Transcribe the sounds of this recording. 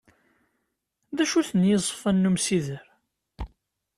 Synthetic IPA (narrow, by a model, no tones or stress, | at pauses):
ðæʃuθənjəzˤfænːumsiðəɾ